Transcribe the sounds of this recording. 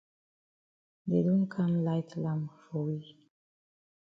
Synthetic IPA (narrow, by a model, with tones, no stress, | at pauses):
de˨du˦ŋ˦kʰa˦mla˦jtla˦˨mfo˨wi˦